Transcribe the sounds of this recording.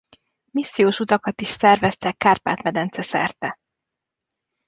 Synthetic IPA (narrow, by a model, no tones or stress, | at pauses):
misːijoːʃut̪ɒkɒt̪iʃsɛrvɛst̪ɛkːaːrpa̰ːt̪mɛd̪ɛnt̪sɛsɛ̰rt̪ɛ